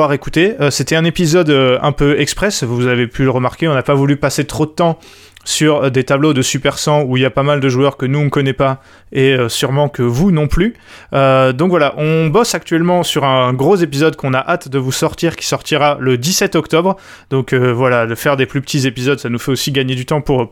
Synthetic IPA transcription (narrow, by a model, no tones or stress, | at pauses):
aʁekut̪eøset̪ɛɛ̃nepizɔd̪øɛ̰̃pøɛkspχɛsvuuzavepʰyləʁəmaʁkʲeɔ̃napavulypaset̪χod̪ət̪ɑ̃ | syʁd̪et̪ablod̪əsypɛʁsɑ̃uiljapamald̪əʒuœʁkənuɔ̃kɔnɛpa | eøsyʁmɑ̃kʰəvunɔ̃ply | ød̪ɔ̃kvwalaʔɔ̃bɔsak̚t̪ɥɛlmɑ̃syʁɛ̃ɡʁozepizɔd̪kɔ̃naʔat̪d̪əvusɔʁt̪iʁkʲi̥sɔʁt̪iʁaləd̪isɛt̪ɔkt̪ɔbʁ | d̪ɔ̃køvwalad̪əfɛʁd̪eplypə̥t̪izepizɔd̪sanufɛosiɡaɲed̪yt̪ɑ̃puʁ